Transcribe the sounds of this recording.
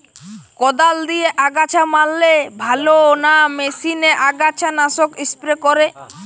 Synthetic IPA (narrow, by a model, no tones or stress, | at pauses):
kɔd̪ald̪ieʔaɡat͡ɕʰamalːebʱaloonamesineʔaɡat͡ɕʰanasokispɾekoɾe